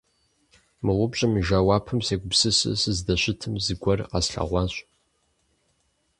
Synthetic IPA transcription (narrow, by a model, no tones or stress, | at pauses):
mɨʁʊbɕʼɪmʒaːwaːpʰɨmseːɡʷʊpsɨsɨ̰sɨzdɐɕʷɪtʰɨmzɨɡʷɐrqɑsɬa̰ʁʷɑːɕʷʼ